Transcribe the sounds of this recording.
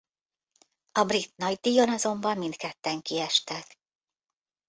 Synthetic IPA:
ɒbrit̪nɒɟd̪iːjo̞nɒzo̞mbɒmːint̪kɛt̪ːɛŋkiɛʃt̪ɛt̪

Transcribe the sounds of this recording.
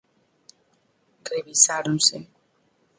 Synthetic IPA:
kreβisaɾõnsḛ

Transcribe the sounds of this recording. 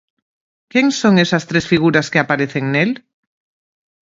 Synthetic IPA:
keŋsoŋesast̪ɾesfiɣ̞uɾaskeapaɾeθeŋnel

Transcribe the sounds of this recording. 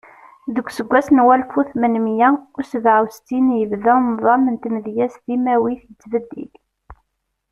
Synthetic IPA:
ðəɡʷːsəɡʷːæsnwælfuθmənmjæʊsəvʕawst̪injəvðænðˤɑmənt̪mðjæsðimæwiθjət͡sːvəd̪ːḭl

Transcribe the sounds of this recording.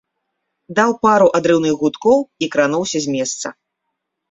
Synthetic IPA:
d̪awpaɾuʔad̪ɾɨwnɨɣɣut̪kɔwikɾanɔwsʲɐzʲmʲɛst̪sɐ̰

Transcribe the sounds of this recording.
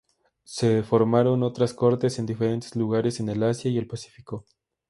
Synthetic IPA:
se̞fo̞ɾmaɾo̞no̞t̪ɾasko̞ɾt̪e̞send̪ife̞ɾe̞nt̪e̞̥zluɣaɾe̞se̞nelasjaie̞lpasi̥fiko̞

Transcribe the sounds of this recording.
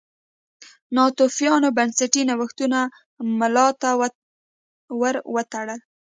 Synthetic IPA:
nɑt̪ofjɑnobansaʈinawaxt̪una | malɑt̪a | wəɾwət̪aɽəl

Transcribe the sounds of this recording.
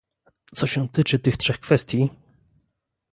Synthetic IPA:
t̪sɔɕɛt̪ɘt͡ʂɘt̪ɘxtʂɛxkfɛst̪ʲji

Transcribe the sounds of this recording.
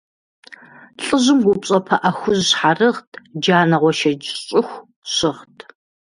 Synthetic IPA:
ɬʼɨʑɪmɡʷʊpɕʼɐpʰɐʔɐxʷʊʑɕħarɨʁtʰd͡ʒaːnɐʁʷɔʃɐd͡ʒɕʼɪxʷ | ɕɪʁtʰ

